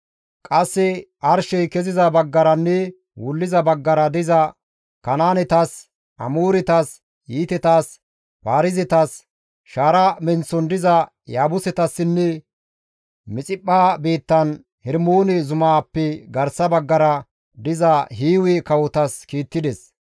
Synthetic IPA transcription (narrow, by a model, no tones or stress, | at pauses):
kʼɐsːɛʔɐɾʃɛjkɛzɪzɐbɐɡːɐɾɐnːɛ | wʊlːɪzɐbɐɡːɐɾɐd̪ɪzɐ | kɐnaːnɛt̪as | ɐmoːɾɪt̪aːs | jiːt̪ɛt̪aːs | paːɾɪzɛt̪as | ʃaːɾɐmɛnt͡sːɔnd̪ɪzɐ | jaːbʊsɛt̪ɐsːɪnːɛ | mɪt͡sʼɪpʼːaːbeːt̪ːɐn | hɛɾmoːnɛzʊmaːpːɛɡɐɾsɐbɐɡːɐɾɐ | d̪ɪzɐɦiːwɛkɐwɔt̪ɐskiːt̪ːɪd̪ɛs